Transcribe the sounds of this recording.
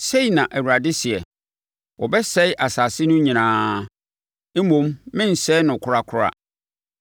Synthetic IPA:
se˦i˨nã˨ʔæ˨wu˨ɾa˨dɪ˦si˨ɛ˨ | wɔ˨bɛ˦sɛ˦ɪ˦ʔa˨saː˨sɪ˦nʊ̃˦ɲĩ˨nãː˦ | m˦mõ˦mmɪ̃˦n̩˨sɛ˦nʊ̃˨kʰʊ˦ɾa˦kʰʊ˦ɾa̰˦

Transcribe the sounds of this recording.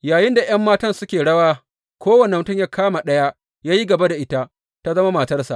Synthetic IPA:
jaː˨jɪ˦nda˨j̰ɐ˦mːaː˦tɐ˦nsʊ˦kʲeː˨ɽɐ˦waː˦ | kʷoː˦wɐ˨ne˨mʊ˨tʊ˦ɲjaː˦kʰaː˦ma˨ɗɐ˦ja˦ | jaː˦ji˦ɡɐ˨ba˦da˨ʔɪ˦ta˦ʔ | ta˦zɐ˦ma˦ma˨tɐ˦rsa̰˨ʔ

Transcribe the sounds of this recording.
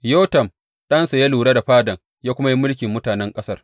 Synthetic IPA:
joː˦tɐ˨m | ɗɐ˦nsa˨ja˦luː˨ɽaː˦da˨ɸaː˦dɐ˨ŋ | jaː˦kʷʊ˦ma˦ji˦mʊ˦lkʲɪ˨mːʊ˦taː˨nɛ˦ŋkʼɐ˦sɐ˦r

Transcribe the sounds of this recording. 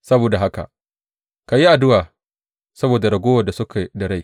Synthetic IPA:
sɐ˦boː˨da˨ɦa˦ka̰˨ | ka˨ji˦ʔa˨dʊ˦waː˨ | sɐ˦boː˨da˨ɽɐ˨ɡʷoː˦wɐ˨da˨sʊ˦kʰa˨dɐ˨ɽa˦˨

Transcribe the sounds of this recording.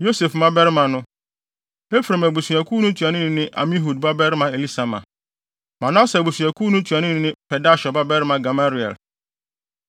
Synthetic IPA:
jo˦se˨fmã˦bɛ˦ɾɪ˦mã˨nʊ̃˦ | e˦fɾe˨mæ˨bu˨su˨æ˨kʰuː˦nʊ̃˦tʰu˨a˨nɪ̃˦nɪ̃˨nɪ̃˦ʔa̰˨mĩ˦ɦu˨dba˦bɛ˦ɾɪ˦mã˨e˨li˦sa˨mã̰˨ | mã˨nã˦sɛ˨bu˨sɥæ˨kʰuː˦nʊ̃˦tʰu˨a˨nɪ̃˦nɪ̃˨˦nɪ̃˦pʰɛ˨da˦ɕɔ˨ba˦bɛ˦ɾɪ˦mã˨ɡa˨ma˦ɾi˨ɛ̰˨l

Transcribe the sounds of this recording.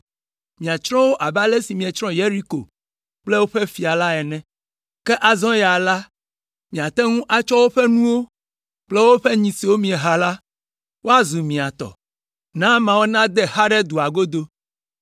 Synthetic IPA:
mĩ˨a˨t͡ʃɾɔ̃˦wo˦ʔa˨ba˦lɛ˦si˨mĩ˨ɛ˨t͡ʃɾɔ̃˦je˦ɾi˦ko̰˨ | k͡plɛ˦wo˦ɸɛ˦fi˨a˨la˦ɛ˨nɛ̃˨ | kɛ˦ʔa˨zɔ̃˦ja˨la˦ | mĩ˨a˨t̪ɛ˦ŋũ˦ʔa˨t͡ʃɔ˦wo˦ɸɛ˦nũ˦wo˦ | k͡plɛ˦wo˦ɸɛ˦ɲĩ˨si˨wo˦mĩ˨ɛ˨ɦa˨la˦ | wʔo˦a˦zu˨mĩ˨a˨t̪ɔ̰˨ | nã˦mã˨wo˦nã˦d̪ɛ˦ha˦ɖɛ˦d̪u˨a˨ɡo˦d̪o˦

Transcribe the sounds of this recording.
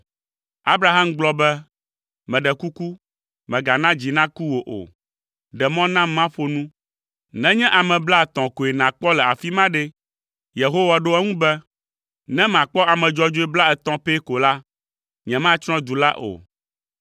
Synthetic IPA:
a˦bɾa˨ɦa˦mɡ͡blɔ˦bɛ˦ | mɛ̃˨ɖɛ˨ku˦ku˦ | mɛ̃˨ɡa˨nã˦d͡ʑi˨nã˦ku˦wo˨ʔo̰˨ | ɖɛ˨mɔ̃˦nã˦mã˦ɸo˨nũ˦ | nɛ̃˦ɲɛ̃˦ʔa˨mɛ̃˨bla˦˨t̪ɔ̃˨ko˨e˨nã˨k͡pɔ˦lɛ˨a˨fi˦mã˦ɖɛ˦ | je˨ɦo˦wa˨ɖo˦ɛ˦ŋũ˦bɛ˦ | nɛ̃˦mã˨k͡pɔ˦a˨mɛ̃˨d͡ʒɔ˦d͡ʒo˦e˦bla˦ɛ˨t̪ɔ̃˦pe˦ko˨la˦ | ɲɛ̃˨mã˦t͡ʃɾ̃ɔ̃˦d̪u˨la̰˦ʔo̰˨

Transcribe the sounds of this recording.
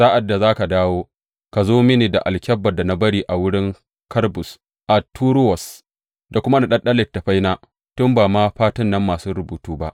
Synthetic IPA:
sa˦ʔa˨dːa˨zaː˦ka˨daː˦woː˦ | ka˨zoː˦mɪ˦niː˨da̰˨ʔa˨lkʲɐ˦bːɐ˨da˨na˦bɐ˦ɽiː˦ʔa˨wʊ˦ɽɪ˦ŋ | kʰɐ˦rbʊ˨s | ʔa˨tʰːuː˦ɾwɔ˨s | da˨kʷʊ˦ma˦na˨ɗɐ˦ɗɐ˦lɪ˨ttːa˨ɸa˦jnaː˦ | tʊ˦mbaː˨maː˦ɸaː˦tɪ˦nːɐ˦mːaː˨suː˦ɾʊ˨buː˨tuː˦ba̰˦ʔ

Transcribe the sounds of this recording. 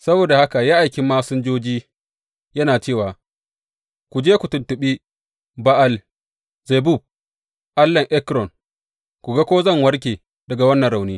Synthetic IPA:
sɐ˦boː˨da˨ha˦ka˨jaː˦ʔa˨jkʲi˦mːaː˦sʊ˦nd͡ʒoː˦d͡ʒiː˦ | jɐ˦naː˨t͡ʃeː˦˨waː˨ | kʷu˨d͡ʒeː˦kʷu˨tʊ˨ntʊ˨ɓi˦ | ba˦ʔa˦˨l | ze˨bu˦˨b̚ | ʔa˦lːɐ˨ŋʔɛ˦kɾɔ˨ŋ | kʷu˨ɡa˦kʷoː˦zɐ˦˨ŋwɐ˦ɾk̬ʲeː˨ | d̥ɐ˨ɡa˨wɐ˦nːɐ˨nɾa˨wniː˦

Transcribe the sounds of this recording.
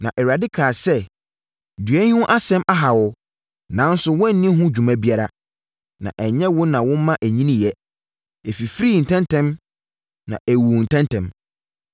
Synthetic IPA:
nã˨ʔɛ˨wɥa˨dɪ˦kʰaː˨sɛ˦ | dɥɛ˦hũ˦ʔa˦sɛ̃˦mʔa˦ɦa˨wɔ˨ | nã˨˦n˦sʊ˨wɔ̃˦n˨˦nĩ˦ɦũ˦d͡ʑᶣu˨mã˦bi˦a˦ɾa˦ | nã̰˨ʔɛ˨ɲɛ̃˦wʊ̃˦nã˨wʊ̃˦mã˦ʔæ˨ɲĩ˦nĩ˦jɛ˦ | ɛ˨fi˨fɾiː˦˨n̩˨tʰɛ̃˦ntʰɛ̃˦m | nã̰˨ʔæ˨wu˨n̩˨tʰɛ̃˦ntʰɛ̃˨m

